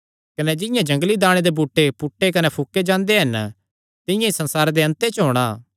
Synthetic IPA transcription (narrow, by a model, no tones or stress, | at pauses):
kɐnɛd͡ʒɪ̃jãd͡ʒɐ̃ŋɡlid̪aːɽ̃ẽd̪ebʱuːʈːepʊʈːekɐnɛpʰukːed͡ʒãːnd̪eɦɐn | t̪ɪjãisɐ̃nsaːɾad̪eɐ̃nt̪et͡ʃɦoːɽ̃aː